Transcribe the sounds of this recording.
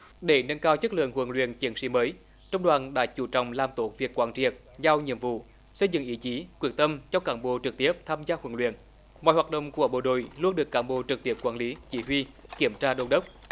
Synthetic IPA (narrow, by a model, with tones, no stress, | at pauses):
ɗe˧˩ŋə˧nkaː˧wt͡ɕə˦˥k̚lɨ̰˧˨əŋhwə˨˧˩ŋlwḭ˧˨ənt͡ɕi˨˦ənsḭ˧˦məː˨˦j | t͡ɕɔ˧wŋ͡mɗwaː˨˩nɗa̰ː˧˥t͡ɕu˧˩t͡ɕɔ̰˧˨wŋ͡mlaː˨˩mt̪o˧˩˦kvi˨˩əkwaː˧˩nt͡ɕḭ˨˩ək̚ | zaː˧wɲḭ˧˨əmvṵ˧˨ | sə˧jzɨ̰˧˨ŋʔi˨˦t͡ɕi˨˦kwək̚t̪ə˧mt͡ɕɔ˧wkaː˧˩nɓo̰˧˩t͡ɕɨ˨˩k̚t̪i˦˥əp̚t̪ʰaː˧mzaː˧hwə˨˧˩ŋlwḭ˧˨ən | mɔ̰˧˨jwaː˨˩t̚ɗə̰˧˨wŋ͡mku˧˩əɓo̰˧˩ɗo̰˧˨jlu˧ənɗɨ˨˩əkːaː˧˩nɓo̰˧˩t͡ɕɨ˨˩k̚t̪i˦˥əp̚kwaː˧˩nli˨˦t͡ɕi˧˩ɦwi˧ki˧˩əmt͡ɕaː˧ɗo˧nɗə˦˥wk͡p̚